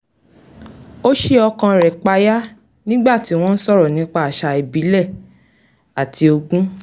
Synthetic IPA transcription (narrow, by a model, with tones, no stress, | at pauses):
o˦ʃe˦ɔ˧kã˧ɾɛ˨k͡pa˧ja˦ | nĩ˦ɡ͡ba˦˨ti˨˦w̃ɔ̃˦n̩˦sɔ˦˨ɾɔ˨nĩ˨˦k͡pa˦a˨ʃa˧e˨bi˨˦lɛ˦˨ | a˨tʰi˨˦o˧ɡũ˦